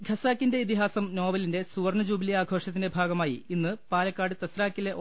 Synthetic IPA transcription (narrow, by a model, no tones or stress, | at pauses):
ɡʱɐsaːkːinde̞it̪iɦaːsɐmno̞ːbɐlinde̞suʋɐrnɐd͡ʑuːbiliaːɡʱo̞ːʂɐt̪ːinde̞bʱaːɡɐmaːjiinːɨpaːlɐkːaːɽɨt̪ɐsraːkːile